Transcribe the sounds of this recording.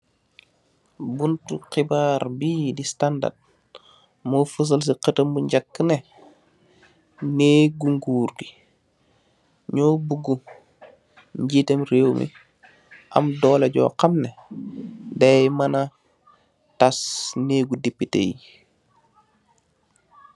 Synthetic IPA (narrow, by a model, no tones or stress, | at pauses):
buntuqibaːɾbiːdistanda̰d̚ | mofəs̬əls̬iqətəmbuɲɟakːəne | neːɡuŋɡuːɾɡi̥ | ɲobuɡu | ɲɟitemɾewmʔḭ | ʔa̰mdɔːleɟo̰qamne | dajmɐna | tasneːɡudipːitḛji